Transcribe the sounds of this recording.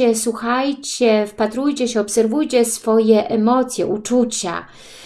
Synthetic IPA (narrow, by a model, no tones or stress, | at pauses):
ɛswuxajt͡ɕɛfpat̪ɾujt͡ɕɛɕɛɔpsɛɾvujt͡ɕɛsfɔjɛʔɛmɔt̪sʲjɛʔut͡ʂut͡ɕa̰